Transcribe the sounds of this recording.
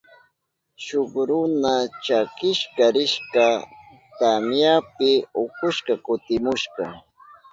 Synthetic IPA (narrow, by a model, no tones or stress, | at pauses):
ʃokɾʊnat͡ʃakɪʃkaɾɪʃka | t̪amjapɪʊkʊʃkɑkʊt̪ɪmʊʃkɑ